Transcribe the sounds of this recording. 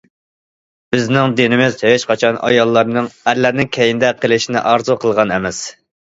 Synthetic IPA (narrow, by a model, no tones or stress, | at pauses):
b̥ɪznɪŋd̪ɪnɪmɪzheʃqʰɑt͡ʃʰɑnʔɑ̰jɑlˠːɑɾnɨŋæɾlæɾnɪŋkʲʰɛjind̪ɛqʰəlˠɪʃinɪ̰ʔɑɾzuqʰəlˠʁɑnɛmɛs